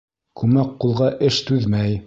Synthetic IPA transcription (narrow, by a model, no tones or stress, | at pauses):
kʉmæqːulˠʁɑʔɘʃt̪ʉðmæj